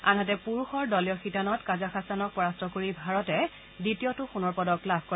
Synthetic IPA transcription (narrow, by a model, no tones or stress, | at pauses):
a̰nɦatɛpuɹuxɔɹdɔlijɔxitanɔtkazaxasanɔk̚pɔɹastɔkoɹibʱaɹɔtɛ | ditijɔtʊxunɔɹpɔdɔklabʱkɔ